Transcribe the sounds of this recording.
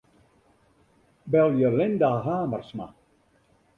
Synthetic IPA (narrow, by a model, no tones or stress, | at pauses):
bɛlˠjəlɪndaːɦaːmərsma̰